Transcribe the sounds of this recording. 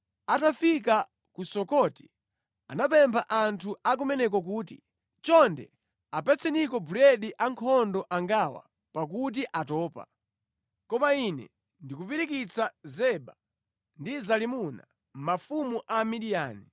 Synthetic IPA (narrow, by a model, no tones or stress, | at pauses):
atafik̬a | kusɔkɔti̥ | anap̬ɛmpʰaʔantʰuak̬umɛnɛk̬ɔk̬uːtḭ | t͡ʃɔndɛ̰ | apɛt͡sʰɛnikɔbuɾɛɗiʔaŋkʰɔndɔʔaŋɡawa̰ | pak̬ut̬iʔatɔːpa̰ | kɔmainɛ̰ | ndikupiɾik̬it͡sazɛɓa | ndizalimuna̰ | m̩mafumuʔamiɗijaːni